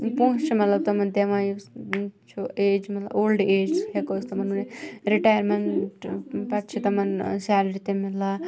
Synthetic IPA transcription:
pũːt͡ʃt͡ʃʰimɐt̪lɐb̚t̪ɐmɐnd̪emaj | t͡ʃʰueːd͡ʒmɐt̪lɐboːlɖeːd͡ʒsɦekost̪ɐmɐnuneɾiʈaːjəɾmenʈpɐʈt͡ʃʰit̪ɐmɐnsæːlɐɾit̪emila

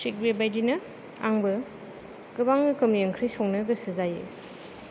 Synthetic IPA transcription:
sʰik̚bebajdinɐ | a̰ŋbɐ | ɡɯbaŋɡɯkʰɯmjeŋkʰɾijsɔŋnɐɡɐsɯzajḛ

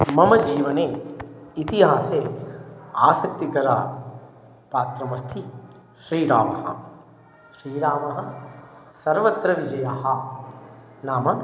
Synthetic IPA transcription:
mɐmɐd͡ʒiːʋɐneːit̪iɦaːseː | a̰ːsɐk̚t̪ikɐɾa̰ː | paːt̪ɾɐmɐst̪ʰi | ʃɾiːɾaːmɐɦɐ̰̆ | ʃɾiːɾaːmɐɦɐ̆ | sɐɾʋɐt̪ɾɐʋid͡ʒɐjaːɦɐ | naːmɐ

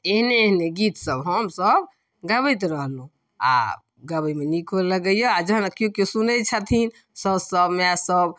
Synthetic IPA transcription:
eɦneeɦneɡit̪səbɦəmsəb | ɡəbəjt̪eɾəɦlũ | a̰ | ɡəbəimenikʰellːəɡəjɔad͡ʒəɦnakjokesunɛt͡ʃʰat̪ʰin | səbsəbmeasəb

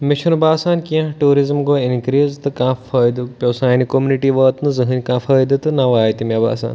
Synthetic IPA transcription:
miʃʰunubaːsaːnkiɐ̃ɦʈuːɾizmɡoːinkɾiːzt̪ɨkãːfɐːjd̪upʲowsaːnikomuniʈiːʋɐːt̪nɨzɨɦɨnʲkãːfʰɐːjd̪ɨt̪ɨnɐʋaːjt̪imʲɐba̰ːsa̰ːn

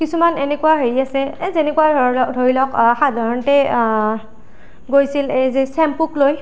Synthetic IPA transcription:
kisumanenɛkuwaɦeɹiasɛzenɛkuwaɔdʱoɹilɔkxadʱaɹɔntɛ | ɡojsilezɛsɛmpukloj

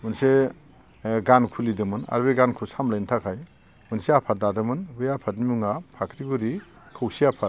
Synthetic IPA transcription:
mɯnse | ɡankʰulidɯmɯna̰ɾbeɡankʰusamlajntʰakʰaj | mɯnseapʰat̚dadɯmɯnbɯjapʰat̚nimuŋapʰakʰɾiɡuɾi | kʰɯwsiapʰa

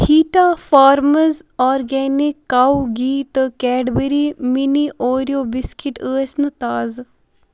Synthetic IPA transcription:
hʰiːʈaːfaːɾməzɔːɾɡɛːnikːawɡiːt̪kɛːɖbəɾiminiʔoːɾijoːbiskiʈəːesnɨt̪aːz

